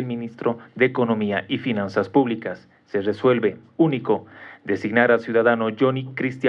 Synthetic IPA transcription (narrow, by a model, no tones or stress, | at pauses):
elmĩnist̪ɾo̞ðeːko̞no̞miaʔifinansaspuβlikasː | e̞reswe̞lβe̞ | uniko̞d̪e̞siɡnaɾalsjuðaðanoʝonikɾist̪ja